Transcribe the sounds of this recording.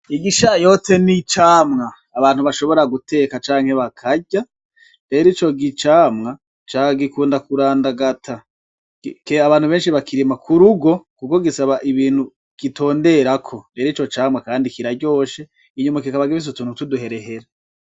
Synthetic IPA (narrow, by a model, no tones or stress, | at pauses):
iɡiʃajo̞te̞nit͡ʃaːmŋaːβaːn̥huβaʃo̞βo̞ɾaɡutʰe̞ːkat͡ʃaːŋ̥he̞βakʰaɟa | ɾe̞ɾit͡ʃo̞ɡit͡ʃaːmŋa | t͡ʃaɡikuːndakuɾaːndaɡatʰa | keaβaːn̥huβe̞ːnʃiβakʰiɾimakʰuɾuɡo̞kuko̞ɡisaβaʔiβiːn̥hu | ɡ̥ito̞ːnde̞ɾakʰo̞ɾe̞ːɾit͡ʃo̞t͡ʃaːmŋakaːndikiɾaɟo̞ːʃe̞ | iɲumakikaβaɡiβis̬utuːnutuduɦe̞ɾe̞ɦe̞ɾa